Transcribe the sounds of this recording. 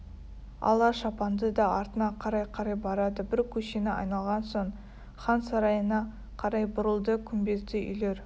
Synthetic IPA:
ɑ̰lˠɑʃɑpɑnd̪əd̪ɑɑɾt̪ənɑqʰɑɾɑjqʰɑɾɑjbɑɾɑd̪əbɪɾkʲʰɵʃenɪɑ̰jnɑlˠʁɑnso̞ɴ | χɑnsɑɾɑjənɑ | qʰɑɾɑjbʊɾəlˠd̪əkʲʰʏmbe̞zt̪ɪʔʏ̰jle̞ɾ

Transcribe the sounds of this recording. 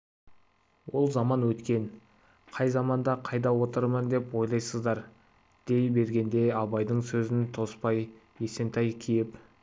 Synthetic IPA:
wo̞lˠzɑmɑnwɵt̪kʲe̞n | qʰɑjzɑmɑnd̪ɑqʰɑjd̪ɑwo̞t̪əɾmənd̪e̞pwo̞jlˠɑjsəzd̪ɑɾ | d̪̥e̞jbe̞ɾɡʲe̞nd̪e̞ɑβɑjd̪əɴsɵzɪnt̪ʰo̞spɑj | je̞se̞nt̪ʰɑjkʲʰejɪp

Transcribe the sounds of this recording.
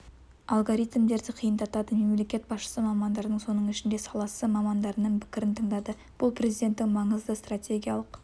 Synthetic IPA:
ɑlˠɡoɾijt̪md̪e̞ɾd̪ɪqʰijənd̪ɑt̪ɑd̪əme̞mle̞kʲe̞t̪̚bɑsʃə̥səmɑmɑnd̪ɑɾənəɴso̞nəɴɪʃɪnd̪e̞sɑlˠɑsəmɑmɑnd̪ɑɾənəɴpʰɪ̥kʲɪɾɪnt̪ʰəɴd̪ɑd̪ə | b̥ʊlˠpʰre̞zid̪ʲe̞nt̪ːɪŋmɑɴəzd̪əst̪rat̪ʲe̞ɡʲijɑlˠəq

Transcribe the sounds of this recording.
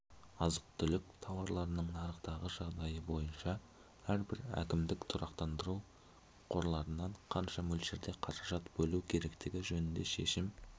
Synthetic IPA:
ɑzəq̚t̪ʰʏlɪkt̪ʰɑwɑɾlˠɑɾənəɴnɑɾəqt̪ɑʁəʒɑʁd̪ɑjəbo̞jənʃɑ | æɾbɪɾæ̰kʲɪmd̪ɪkt̪ʰʊɾʔɑqt̪ɑnd̪əɾu | qʰo̞ɾlˠɑɾənːɑɴqʰɑnʃɑmɵlʃeɾd̪e̞qʰɑɾɑʒɑt̪bɵlukʲʰe̞ɾe̞kt̪ɪɡʲɪʒɵnɪnd̪e̞ʃe̞̰ʃɪm

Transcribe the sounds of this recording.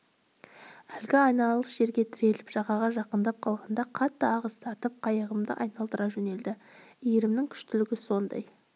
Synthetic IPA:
ælɡʲɪɑjnɑlˠəsʒe̞ɾɡʲe̞t̪ʰɪɾe̞lɪpʒ̥ɑʁɑʁɑʒɑqənd̪ɑp̚qʰɑlˠʁɑnd̪ɑqʰɑt̪ːəɑʁəzt̪ʰɑɾt̪əp̚qʰɑjəʁəmd̪ə̰ʔɑ̰jnɑlˠd̪əɾɑʒɵne̞ld̪ɪijɪɾɪmnɪŋkʲʰʏ̥ʃt̪ɪlɪɡʲɪso̞nd̪ɑ̰j

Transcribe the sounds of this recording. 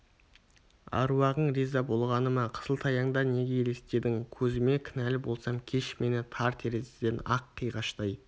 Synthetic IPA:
ɑ̰ɾwɑʁəɴɾizɑbo̞lˠʁɑnəmɑqʰə̥səlˠt̪ʰɑjɑɴd̪ɑne̞ɡʲe̞ele̞st̪e̞ɾd̪ɪŋkʲʰɵzɪme̞kʲʰɪnælɪbo̞lˠsɑmkʲʰe̞ʃme̞nɪt̪ʰɑɾt̪ʰe̞ɾezed̪e̞nɑqʰːijʁɑʃt̪ɑj

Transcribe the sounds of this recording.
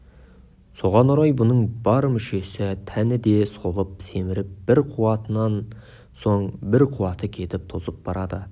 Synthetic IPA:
so̞ʁɑnoɾɑjbʊnəɴbɑɾmʏʃe̞sɪt̪ʰænɪd̪e̞so̞lˠəp̚se̞mɪɾɪp̚b̥ɪɾqʰuwɑt̪ənɑn | so̞ɴbɪɾqʰuwɑt̪əkʲʰe̞t̪ɪp̚t̪ʰozəp̚b̥ɑɾɑd̪ə

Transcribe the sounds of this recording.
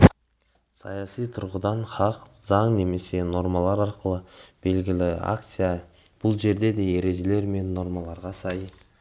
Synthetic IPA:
sɑjɑsijt̪ʰʊɾʁəd̪ɑnχɑqzɑɴne̞me̞se̞no̞ɾmɑlˠɑɾɑɾqəlˠəb̥e̞lɡʲɪlɪa̰k̚t̪sɨja | b̥ʊlˠʒe̞ɾd̪e̞d̪e̞eɾe̞zele̞ɾme̞nːo̞ɾmɑlˠɑɾʁɑsɑj

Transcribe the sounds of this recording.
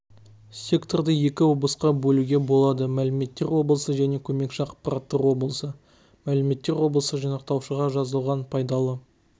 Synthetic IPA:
sʲe̞kt̪o̞rd̪əje̞kʲɪwo̞blˠəsqɑbɵluɡʲe̞bo̞lˠɑd̪əmælɪme̞t̪ːe̞ɾwo̞blˠəsəʒæne̞kʲʰɵme̞kʃɑqpɑrɑt̪ːəɾwo̞blˠəsə | mælɪme̞t̪ːe̞ɾwo̞blˠəsəʒɑnɑq̚t̪ɑwʃəʁɑʒɑzəlˠʁɑnpʰɑjd̪ɑlˠə

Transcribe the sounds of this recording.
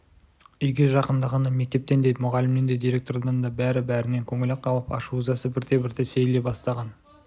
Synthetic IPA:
ʏjɡʲe̞ʒɑqənd̪ɑʁɑnɑme̞k̚t̪e̞p̚t̪e̞nd̪ej̪mʊʁɑlɪmnend̪ed̪ijɾe̞k̚t̪ord̪ɑnd̪ɑbæɾɪbæɾɪne̞ŋkʲʰɵŋɪleqʰɑlˠəpɑ̰ʃuzɑsəbɪɾd̪e̞bɪɾd̪ese̞jle̞bɑst̪ɑʁɑn

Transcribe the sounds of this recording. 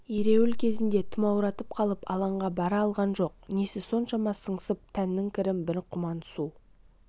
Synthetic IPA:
eɾe̞wɪlkʲʰe̞zɪnd̪e̞t̪ʰʊmɑwɾɑt̪əp̚qʰɑlˠəpɑ̰lˠɑɴʁɑbɑɾɑːlˠʁɑnʒo̞qnesɪso̞nʃɑmɑsəɴsəp̚t̪ʰænːɪŋkʲʰɪɾɪmbɪɾqʰːʊmɑnsu

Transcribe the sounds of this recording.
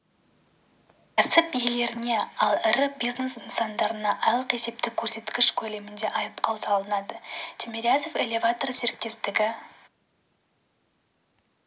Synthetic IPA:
kʲʰæsɪpijele̞ɾɪne̞ɑlˠɪɾɪbijznesənsɑnd̪ɑɾənɑʔɑjlˠəqe̞se̞p̚t̪ɪkʲʰːɵɾse̞t̪kʲɪʃkʲʰɵle̞mɪnd̪e̞ʔɑjəpqɑlˠsɑlˠənɑd̪ət̪ʰʲemʲeɾʲazofelʲe̞vat̪o̞rse̞ɾɪk̚t̪e̞st̪ɪɡʲɪ

